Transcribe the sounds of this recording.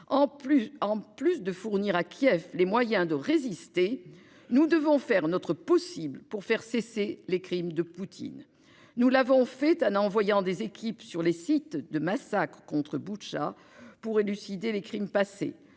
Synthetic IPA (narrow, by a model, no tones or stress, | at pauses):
ɑ̃ɑ̃plysd̪əfuʁniʁakʰʲjɛflemwajɛ̃d̪əʁezist̪e | nud̪əvɔ̃fɛʁnɔt̪χəpɔsibləpuʁfɛʁseselekχimd̪əput̪ʰḭnː | ulavɔ̃fɛt̪ɛ̃nɑ̃vwajɑ̃d̪ezekʲipsyʁlesit̪d̪əmasakχəkɔ̃t̪χəbuʃa | puʁelysid̪elekχimpasḛ